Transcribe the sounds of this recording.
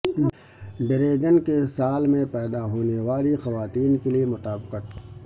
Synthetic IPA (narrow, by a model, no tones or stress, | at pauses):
ɖɪɾeːɡənkesaːlmẽpɛːd̪aɦoːneʋaːlixɐʋaːt̪iːnkeliemʊt̪aːbqət̪̚